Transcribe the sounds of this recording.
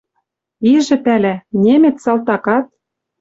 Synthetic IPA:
iʒɘ̆pælænʲemet̪sɑlt̪ɑkɑt̪̚

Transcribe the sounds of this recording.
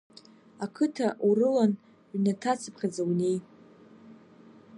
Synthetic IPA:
akʰɨtʰaurɨlan | ʕnatʰat͡sʰɨpʰχʲad͡zawne̞j

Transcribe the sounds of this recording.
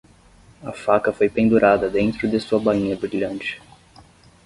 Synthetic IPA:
ɐ̰fakɐfojpẽnd̪uɾʔad̪ɐd̪ẽnt̪ɾʊd̪ɪsuɐbaĩɲɐbɾiʎɐ̃nt͡ʃɪ̥

